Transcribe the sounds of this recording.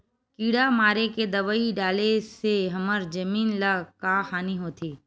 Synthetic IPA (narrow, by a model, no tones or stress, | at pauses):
kiːɽamaːɾeked̪ɐʋaiɖaːleseɦɐməɾd͡ʒɐmiːnləɡkaxaːniɦoːt̪ʰeː